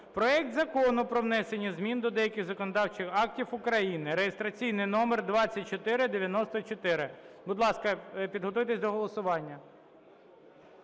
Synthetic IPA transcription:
pɾɔɛk̚t̪zɐkɔnʊpɾɔʋnɛsenʲːizmʲind̪ɔd̪ɛjɐkʲɪɣzɐkɔnɔd̪ɑwt͡ʃɪxɑk̚tʲifʊkɾɐjinɪɾejest̪ɾɐt͡sʲijnɪjnɔmerd̪ʋɑt͡sʲːɐt̚ʲt͡ʃɔt̪ɪɾɪd̪eʋʲjɐnɔst̪ɔt͡ʃɔt̪ɪɾɪbʊd̪lˠɑskɐpʲid̪ɦɔt̪ujt̪esʲd̪ɔɦɔlˠɔsʊʋɑnʲːɐ

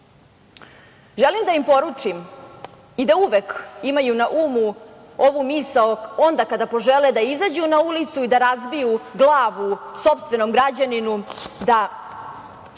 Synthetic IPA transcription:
ʒelimd̪aimpo̞ɾut͡ʂim | id̪auʋekimajunaʔuːmu | o̞ʋumisaoo̞nd̪akad̪apoʒeled̪aizad͡ʑunaulit̪suid̪aɾazbijuɡlˠaːʋuso̞pst̪ʋe̞no̞mɡɾad͡ʑaninud̪a

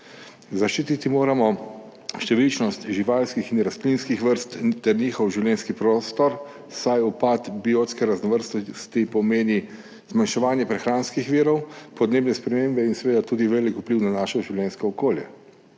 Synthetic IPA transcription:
zaʃt͡ʃiːt̪it̪imoːɾamɔ | ʃt̪ɛʋilt͡ʃnɔst̪ʒiʋaːlskixinɾask̪linskixʋəɾst̪t̪ɛɾniːxɔwʒiwljɛːnskipɾoːst̪ɔɾ | sajupat̪bioːt̪skɛɾaznɔʋəɾst̪ɔst̪ipɔmeːni | zmanʃɛʋaːnjɛpɾɛxɾaːnskixʋiːɾɔwpɔd̪neːbnɛspɾɛmeːmbɛinsɛʋeːd̪at̪uːd̪iʋɛːlikupliːwnanaːʃɔʒiwlɛnskɔɔkoːljɛ̰

